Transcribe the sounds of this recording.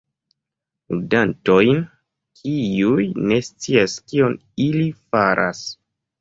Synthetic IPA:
ludanto̞jn | kʰiujne̞st͡siaskio̞n | ilifaɾʔa̰s

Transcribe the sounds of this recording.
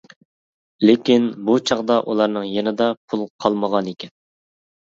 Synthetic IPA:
lekʲinbut͡ʃʰɑʁd̪ɑʔulˠɑɾnɨŋjenɨd̪ɑpʰulˠqʰɑlˠməʁɑnekʲɛn

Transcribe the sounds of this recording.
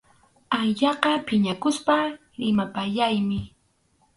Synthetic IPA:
aʎɑqɑpɪɲakʊspa | ɾɪmapaʎajmɪ

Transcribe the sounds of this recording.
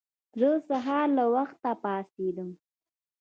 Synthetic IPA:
zəsaɦɑɾlawaxt̪ːapɑsed̪əm

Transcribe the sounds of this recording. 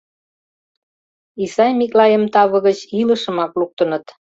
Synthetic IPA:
isɑjmiklɑjəmt̪ɑβə̆ɣət͡ɕiləʃə̆mɑkluk̚t̪ə̆nət̪

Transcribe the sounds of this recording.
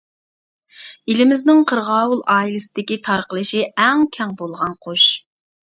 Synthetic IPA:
ilɪmɪznɪŋqʰəɾʁɑːwulˠɑːilɨsɪd̪ɪkʲit̪ʰɑɾqəlˠɨʃiɛŋkʲʰɛŋbolˠʁɑnqʰoʃ

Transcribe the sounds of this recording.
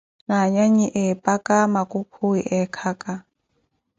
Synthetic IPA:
naɲaɲiʔɛpʼakʼamakʼukʰʊiʔɛkʰakʼa

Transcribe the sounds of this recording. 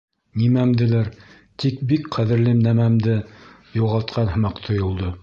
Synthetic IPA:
nimæmd̪ɘ̆læɾ | t̪ik̚bikqæðɘ̆ɾlɘmnæmæmd̪ɘ | juʁɑlˠt̪̚qʰɑnɦɤ̆mɑqt̪ʰŏjŏlˠd̪o

